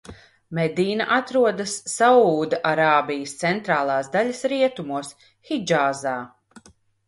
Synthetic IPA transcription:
mɛd̪iːna̰ʔat̪ɾuɔd̪asːauːd̪aʔaɾaːbijəst̪sɛnt̪ɾaːlˠɑːsd̪aʎʲɐsɾiɛt̪umuɔs | hid͡ʒaːzaː

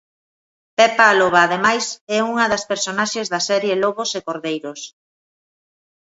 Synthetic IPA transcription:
pɛpaːloβaːðemajsɛuŋɐðɐspeɾsonaʃezðɐsɛɾjeloɣosekoɾðejɾos

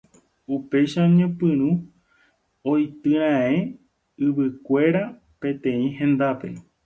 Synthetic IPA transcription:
upe̞jʃaoɲẽpɨ̃ɾ̃ũ | ojt̪ɨɾ̃ãẽ | ɨʋɨkʷe̞ɾa | pẽ̞t̪ẽ̞ĩhẽ̞nd̪ape̞̰

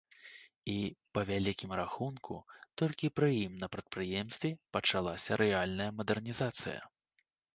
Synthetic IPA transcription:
ipɐvʲalʲikʲimɾaxunkṵt̪ɔlʲkʲipɾɨjimnɐpɾɐt̪̚pɾɨjɛmst̪ʲvʲipɐt͡ʂalˠasʲɐɾɛalʲnɐjɐmɐd̪ɛrnʲizat̪sɨ̰jɐ̰

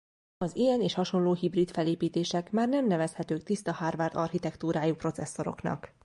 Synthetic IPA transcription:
ɒzijɛneːʃhɒʃo̞nloːɦibrit̪fɛleːpiːt̪eːʃɛkmaːrnɛmnɛvɛshɛt̪øːk̚t̪ist̪ɒhaːrvɛrd̪ɒrhit̪ɛkt̪uːɾaːjupro̞t̪sɛsːo̞ɾo̞̰knɒ̰k

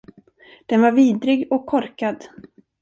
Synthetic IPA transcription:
d̪̥ɛnvaɾviːd̪ɾɪɡɔkʰːɔɾkad̪

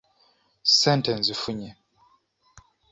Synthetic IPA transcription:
sɛ̃ntɛ̃nsifuɲɛ

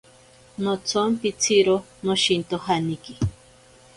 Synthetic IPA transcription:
not͡sʰompit͡sʰiɾo | noʃint̪oɦaniki

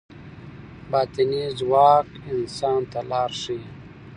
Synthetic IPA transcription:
bɑːt̪inizwɑːkɪnsɑːnt̪alɑːɾʂi

